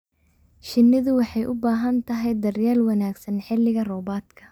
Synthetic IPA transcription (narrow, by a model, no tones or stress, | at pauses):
ʃɪnːɪðʊwɑħɑjʔʊbaːɦɐnt̪ʰɐɦɛjd̪ɐrjaːlwɑnaːɡsɐnħɪlɪɣɐrɔːbaːd̪kʰɐ